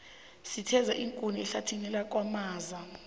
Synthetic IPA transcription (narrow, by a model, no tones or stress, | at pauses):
sitʰɛzaʔiŋkʼuniɛɬatʰinɛlak̬ʼwamaːza